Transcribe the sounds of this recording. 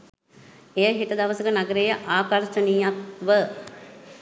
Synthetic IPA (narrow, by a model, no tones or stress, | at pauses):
ejəɦiʈəd̪ɐʋəsəkənaɡəɾejəʔaːkaɾʃənijak̪ʋə